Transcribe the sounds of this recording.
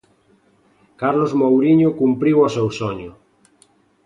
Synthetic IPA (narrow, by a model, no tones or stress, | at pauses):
kaɾlozmowɾiɲʊkumpɾiwasewsoɲʊ